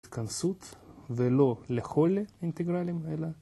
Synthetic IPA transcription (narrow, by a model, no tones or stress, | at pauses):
t̪kɐnsut̪velo̞lexoleint̪eɡɾalʲimela